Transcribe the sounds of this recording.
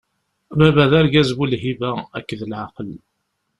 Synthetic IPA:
bæβæðæɾɡæzwulɦivææ̰kːðəlʕaqəl

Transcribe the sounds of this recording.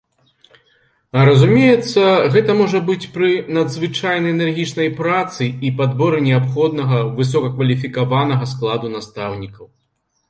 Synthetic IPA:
ɾɐzumʲejɛt̪sːɐɣɛt̪ɐmɔʐɐbɨt͡sʲpɾɨnɐd̪zvɨt͡ʂajnɐjɛnɛrɣʲit͡ʂnɐjpɾat̪sɨipad̪bɔɾɨnʲɛapxɔd̪̚nɐɣɐvɨs̬ɔkɐkvɐlʲifʲikavanɐɣɐsklˠad̪unast̪awnʲikɐw

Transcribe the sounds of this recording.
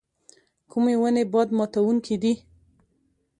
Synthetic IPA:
kʰumewənebɑd̪mɑt̪awuŋkʰid̪i

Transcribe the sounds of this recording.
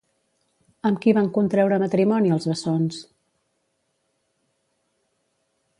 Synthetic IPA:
əmkiβaŋkunt̪ɾɛwɾəmət̪ɾimɔniəlˠzβəsons

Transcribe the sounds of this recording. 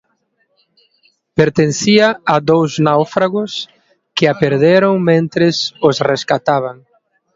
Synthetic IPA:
peɾt̪enθiaad̪owznawfɾaɣʊs | kɪapeɾðeɾoŋmẽnt̪ɾɪsosreskat̪aβaŋ

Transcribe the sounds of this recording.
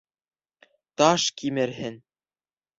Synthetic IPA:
t̪ɑʃkimɘ̆ɾɦɘ̆n

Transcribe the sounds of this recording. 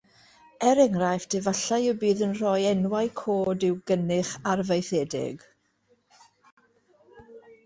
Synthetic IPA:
ɛɾɛŋrajfdʰɪvaɬajəbiːðənr̥ɔjɛnwajkʰoːdɪwɡənɪχarvejθɛːdɪ̰ɡ̥

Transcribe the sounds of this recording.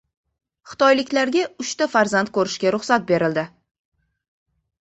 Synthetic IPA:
χɨ̥t̪ɒjlɪkʲlaɾɡʲaʊʃt̪afaɾzant̪kʰɵɾɪʃkʲaɾʊχsat̪̚be̞ɾɪld̪ɪ

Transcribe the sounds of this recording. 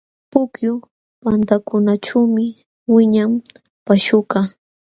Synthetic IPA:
pʊkjʊ | pant̪akʊnaʈ͡ʂawmɪ | wɪɲam | paʃʊkɑ

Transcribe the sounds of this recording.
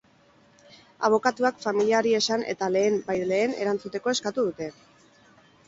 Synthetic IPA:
a̰β̞o̞kat̪uakfamiliaɾie̞sane̞̰t̪ale̞ːmbajle̞ːne̞̰ɾant͡sut̪e̞ko̞e̞skat̪uð̞ut̪e̞

